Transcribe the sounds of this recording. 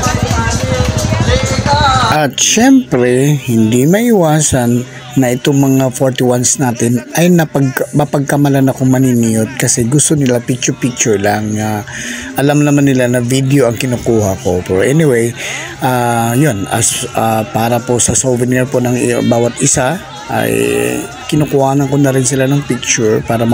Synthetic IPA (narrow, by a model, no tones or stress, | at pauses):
ʔɐt̪ʃɛmpɾɛhɪnd̪imɐʔɪwaːsɐnː | ɐʔɪt̪oŋmɐŋafoɹt̪ɪwansnaːt̪ɪnʔɐjnɐpɐɡmɐpɐɡ̚kɐmɐlanɐkoŋmɐninijot̪̚kɐsɛɡʊst̪o̞nɪlapik̚t͡ʃʊpik̚t͡ʃʊɹlɐŋːaʔɐlamnɐmanːɪlanɐvid̪ɛo̞ʔɐŋkɪnukuːhɐko̞pɛːɾoʔɛnɪwej | ʔaːjonɐ̰sʔapaːɾɐpo̞sɐsovɛnɛɹpo̞nɐŋbaːwɐt̪ʔɪsa | ʔɐ̰j | kɪnukʊhaːnɐnkonɐɾɪnsɪlanɐŋpik̚t͡ʃʊɹpaːɾɐm